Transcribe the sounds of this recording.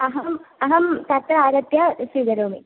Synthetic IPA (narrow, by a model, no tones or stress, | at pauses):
ɐɦɐmɐɦɐmt̪ɐt̪ɾɐaːɾɐt̪jasid̪ɐɾoːmi